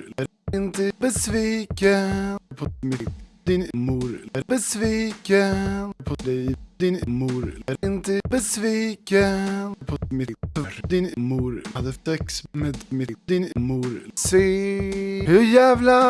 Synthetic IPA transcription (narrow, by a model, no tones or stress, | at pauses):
ɪnt̪əbəsviːkəpʰɔmɪd̪ɪnmuːɾbəsviːkəpʰɔd̪ɛjd̪ɪnmuːɾɪnt̪əbəsviːkəpʰɔmɪɾd̪ɪnmuːɾad̪əsɛksmeɛd̪mɪd̪ɪnmuːɾseː | hɵɾjæːvla